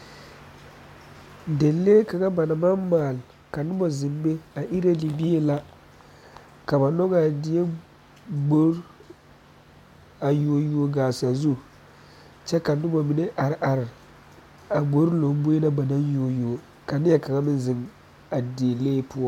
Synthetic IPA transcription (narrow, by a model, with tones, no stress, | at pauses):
de˨leː˦ka˨ŋa˦ba˨na˨ma˦mːaː˨l | ka˨nʊ˦mɔ˨zɪ˨mbe˦a˨ʔi˦ɾa˦li˨bi˦e˨la˨ | ka˨ba˨nɔ˦ɡa˦˨dɪ˨je˦ | ɡ͡bo˦ɾ | a˨joː˨ju˨˦o˦ɡaː˨sa˨zu˦ | t͡ʃɛ˦ka˨nʊ˦mɔ˨mi˨˦ne˦ʔa˨ɾɪ˨ʔa˨ɾɪ˨ | a˨ɡ͡bo˦ɾlo˨m˦bo˦na˦ba˨na˦njo˨jo˨o˨ | ka˨nɪ˦jɛ˦ka˨ŋa˦mɪ˦nzɨ˨m | a˨di˨e˨leː˦pʊ˦ɔ˦